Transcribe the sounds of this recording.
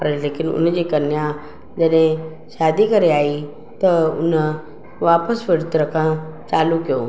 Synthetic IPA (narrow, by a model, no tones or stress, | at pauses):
pɾelekɪnʊ̰nd͡ʑekɐɾnja | d͡ʑəɗẽ | ɕaːd̪ʱikəɾeaːi | t̪əʊ̰nə | ʋaːpəsʋəɽt̪ɾəkʰãt͡saːlukijo